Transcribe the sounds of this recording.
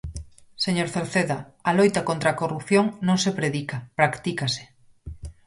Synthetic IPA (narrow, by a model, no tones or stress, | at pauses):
seɲoɾθeɾθeða | alojt̪akont̪ɾakorupθjoŋnõŋsepɾeðikapɾakt̪ikase̥